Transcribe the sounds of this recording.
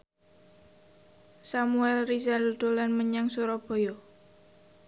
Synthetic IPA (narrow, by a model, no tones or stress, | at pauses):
samuɛlrisalud̪̥olanməɲaŋsuɾɔb̥o̤jɔ